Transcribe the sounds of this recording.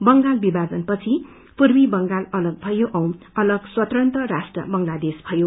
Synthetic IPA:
bʌŋɡalbibad͡zʌnpʌt͡sʰi | purbibʌŋɡalʌlʌɡ̚bʱʌjoʔʌw̃n | ʌlʌɡswʌt̪rʌnt̪ʌrasʈrʌ̰bʌŋlad̪esbʱʌjo

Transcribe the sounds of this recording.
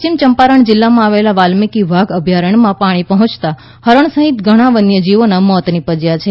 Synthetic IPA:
t͡ʃimt͡ʃəmpaɾəɳd͡ʒɪlːamãaʋelaʋalmikiʋʱaɡəbʱjaɾəɳ̃mãpaɽ̃ipəɦɔ̃t͡ʃt̪a | həɾəɳsəɦit̪ɡʱəɽ̃ãʋənjəd͡ʒiʋonamɔt̪nipəd͡ʒjat͡ʃʰe

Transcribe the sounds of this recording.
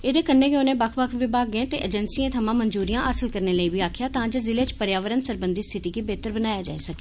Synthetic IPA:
eːd̪eːkənːeːɡeonẽːbəkʰbəkʰʋiːbaːɡ̚ɡẽːt̪ḛːʔəd͡ʒənsiːẽːt̪ʰəmãːmənzuːɾijãːʔəsəlkəɾneːləiːbiːaːkʰjaːt̪ãːd͡ʒəzɪleːt͡ʃpəɾjaːʋəɾənsəɾbənd̪iːst̪ʰɪt̪iːkiːbeːt̪əɾbənaːjaːd͡ʒa̰ːiːsəke̥ː

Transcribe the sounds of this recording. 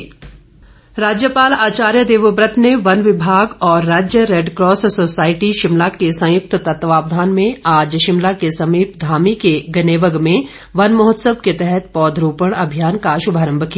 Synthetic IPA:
ɾaːd͡ʒjəpaːlaːt͡ʃaːɾjəd̪eːʋəbɾət̪neʋɐnʋɪbʱaːɡɔːɾːaːd͡ʒjəɾeːɖkɾɔːssoːsaːɪʈiʃɪmlakesɐ̃jʊk̚t̪t̪ɐt̪ʋaːpd̪ʱaːnmẽaːd͡ʒʃɪmlakesɐmiːpd̪ʱaːmikeɡɐneːʋəɡmẽ | ʋɐnmɐɦɔt̪səb̚ket̪ɛɦɛt̪pɔːd̪ʱɾuːpəɽ̃ɐbʱijaːnkaʃʊbʱaːɾə̃mbʱəki

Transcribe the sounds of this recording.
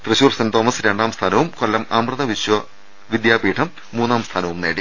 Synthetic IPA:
t̪rɨɕuːrsɐnt̪oːmːɐsɨɾeɳɖaːmst̪ʰaːnɐʋumkolːɐmaːmrɨnɐʋiɕwɐ | ʋid̪jaːpiːʈʰɐmːuːnːaːmst̪ʰaːnɐʋumneːɽi

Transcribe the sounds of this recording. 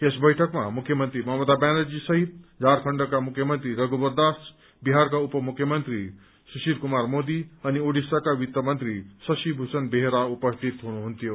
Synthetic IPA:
esbʌjʈʰʌkmamukʰjʌmənt̪ɾimʌɦmʌd̪abanʌɾd͡zisʌɦit̪̚d͡zʱaɾkʰʌɳɖʌkamukʰjʌmʌnt̪ɾiɾʌɡubəɾd̪as | biɦaɾkaupʌmukʰːjʌmʌnt̪ɾi | susiɾkumaɾmod̪iʌnioɽisakaʋit̪ːəmʌnt̪ɾisʌsibʱusʌnbeɦeɾaupʌst̪ʰit̪ɦunuɦunt̪ijo

